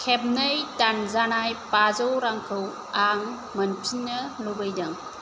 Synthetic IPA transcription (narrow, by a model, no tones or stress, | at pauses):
kʰeb̚nəjtanzanajpazɔwɾaŋkʰɯw | aŋ | mɐnpʰinːɐlobɯjdɐŋ